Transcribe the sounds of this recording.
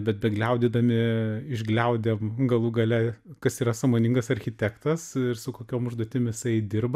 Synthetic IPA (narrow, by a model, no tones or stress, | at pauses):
bʲɛt̪̚bʲɛɡlʲɛʊd̪ʲiːd̪ɐmʲɪɪʒɡlʲɛʊd̪ʲemɡɐlˠuːɡɐlʲɛkɐsiːɾɐsɑmoːnʲɪŋɡɐsɐɾʲxʲɪt̪ʲæːkt̪ɐsɪrsʊkoːkʲoːmʊʒd̪oɔt̪ʲɪmjɪsɐɪd̪ʲɪrbɐ